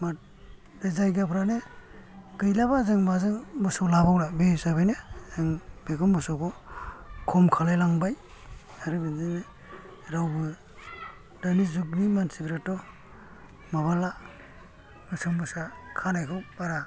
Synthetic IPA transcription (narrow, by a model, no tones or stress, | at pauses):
mat̚ | ɾezajɡapʰɾane | ɡɯjlabazɯŋmazɯŋbɯsɔwlabawlabesabɯjnezɯŋbekɔmbɯsɔwkɔ | kʰɔmkʰalajlaŋbaj | aɾɯbɯzɯne | ɾawbɯ | danizuk̚bimansipʰiɾetːɔ | maβala | mɯsɯŋbɯsakʰanajkʰɯbaɾa